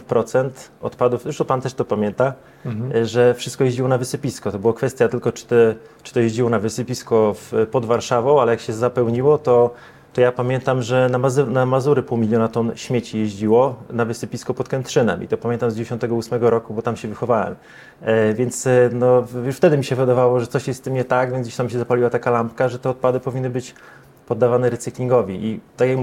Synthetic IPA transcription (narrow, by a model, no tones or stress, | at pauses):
pɾɔt̪sɛnt̪ɔ̰t̪pad̪ufuʂt̪ɔpant̪ɛʂt̪ɔpamʲjɛnt̪a | ʐɛfʂɘst̪̚kɔjeʑd͡ʑiwɔnavɘsɘpʲiskɔt̪ɔbɘwɔkfɛst̪ʲjat̪ɘlkɔt͡ʂɘ̥t̪ɛt͡ʂɨ̥t̪ɔjeʑd͡ʑiwɔnavɘsɪpʲiskɔfpɔd̪vaɾʂavɔ̃w̃alɛjakɕɛzapɛwɲiwɔt̪ɔ | t̪ɔjapamʲjɛnt̪amʐɛnamaznamazuɾɘpuwmʲilʲjɔnat̪ɔnɕmʲjet͡ɕijeʑd͡ʑiwɔnavɘsɘpʲiskɔpɔt̪̚kɛnt̪ʂɘnɛ̰mʔḭt̪ɔpamʲɛnt̪amzd͡ʑeɕɔnt̪ɛɡɔusmɛɡɔɾɔkubɔt̪amɕɛvɘxɔvawɛ̰m | vʲjɛnt̪snɔjuʂft̪ɛd̪ɘmʲiɕɛvɨd̪avawɔʐɛt̪sɔɕjɛst̪ːɘmɲɛt̪aɡvʲɛnd͡ʑɕt̪amɕ̬ɛzapalʲiwat̪akalampkaʐɛt̪ɛɔt̪̚pad̪ɘpɔvʲinːɘbɘt͡ɕ | pɔd̪ːavanɛɾɛt̪sɨklʲiŋɡɔvʲiʔit̪akjak